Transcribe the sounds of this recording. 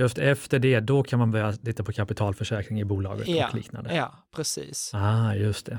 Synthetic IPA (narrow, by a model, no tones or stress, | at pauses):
jɵst̪ɛft̪əɖɛd̪ɔkʰanmanbœɾjat̪ʰɪt̪ːapʰɔkʰapɪt̪ʰɑːlfœʂɛːkɾɪŋɪbuːlɑ̰ːɡə̰t̪ɔlḭːkna̰nd̪ə | pʰɾɛsḭːsɑjɵst̪̚ɛ